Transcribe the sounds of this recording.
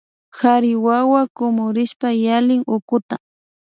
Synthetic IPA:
xaɾɪwawakʊmʊɾɪʃpajalɪŋʊkʊt̪a

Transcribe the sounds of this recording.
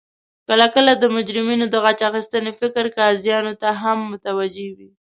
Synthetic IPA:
kəlakəlad̪əmʊd͡ʒɾɪminod̪əɣat͡ʃaxist̪ənefɪkɾkaːzjɑnot̪aɦamːʊt̪awad͡ʒewi

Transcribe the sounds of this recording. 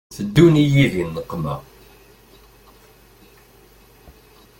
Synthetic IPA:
θəd̪ːunijiðənːəqːmæ̰

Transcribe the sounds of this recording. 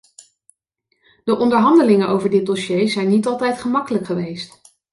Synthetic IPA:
d̥əʔɔndəɹɦɑndəlɪŋəʔowvəɹdɪt̚dɔʃejzɛjnːitɑlˠtɛjtχəmɑkələkχəʋejst

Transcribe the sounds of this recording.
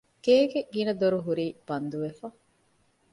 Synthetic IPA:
ɡeːɡeɡinɐd̪oɾuɦuɾiːb̥ɐnd̪uʋefɐ

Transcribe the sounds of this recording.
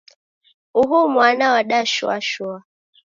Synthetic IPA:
uɦumwanawaɗaʃua̰ʃua

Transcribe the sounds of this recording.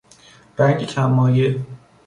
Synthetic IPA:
ɾæŋɡcʰæmːɒːje

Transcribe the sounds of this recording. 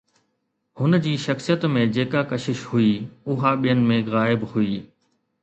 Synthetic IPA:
hʊnd͡ʑiːʃɐxsijət̪mẽd͡ʑeːkakɐʃɪʃhuiːʊɦaɓijənɪ̆mẽɣaːɪbhuiː

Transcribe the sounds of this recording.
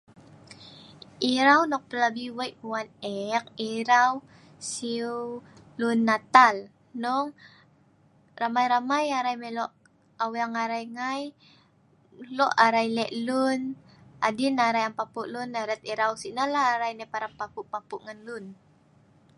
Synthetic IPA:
ʔiɾawnɔk̚t̪əlabiwajkwanɛk̚iɾaw | si | lʊnːat̪al | noŋ | ɾamajɾamajaɾajmeloʔ | awaŋaɾajŋaj | loʔaɾajlɛʔlʊn | a̰d̪inaɾajaŋpapʊʔlʊnːaɾɛt̪̚iɾawsinalaːɾajnapaɾapapʊʔpapʊʔŋanlʊn

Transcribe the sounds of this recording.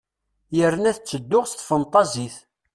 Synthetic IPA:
jəɾːənæθt͡sːəd̪ːʊʁst̪ːfənt̪ˤːɑziθ

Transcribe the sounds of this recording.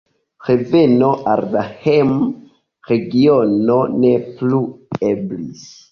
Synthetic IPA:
ʁevenoʔaɾdahem | ɾeɡiononeplueblis

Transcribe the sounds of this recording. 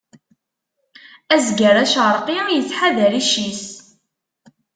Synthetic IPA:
æzɡəɾˤæʃʁəɾˤqijət͡sːħaðəɾiʃis

